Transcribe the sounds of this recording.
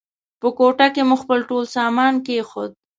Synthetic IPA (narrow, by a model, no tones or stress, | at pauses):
pəkoʈakemuxpəlʈolsɑmɑnkexod̪̚